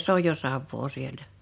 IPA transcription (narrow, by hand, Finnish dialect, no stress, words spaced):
s oj jo sɑʋːoː sieltæ